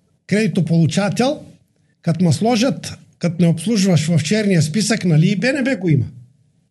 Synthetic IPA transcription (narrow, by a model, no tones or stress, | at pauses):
kɾɛd̪it̪opolˠut͡ʃat̪ʲɛlˠ | kat̪maslˠɔʒat̪ | kat̪nɛɔpslˠuʒuvaʃvaft͡ʃɛɾnijaspisaknaliːbɛnɛbɛɡoima